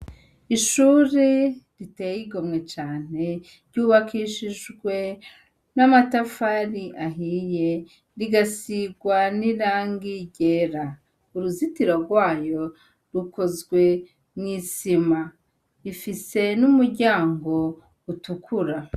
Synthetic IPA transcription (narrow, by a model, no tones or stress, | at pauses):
iʃuɾeɾite̞jiɡomŋe̞t͡ʃaːn̥e̞ | ɾɟuːβakʰiʃiʒɡwe̞ | namatafaɾiʔaɦije̞ | ɾiɡasiɡwaniɾaːŋɡiɟe̞ɾa | uɾuzitiɾoɾɡwaːjo̞ | ɾuko̞zɡwe̞ | mŋiːsima | ifise̞numuɾɟaːŋɡo̞ | utukʰuɾa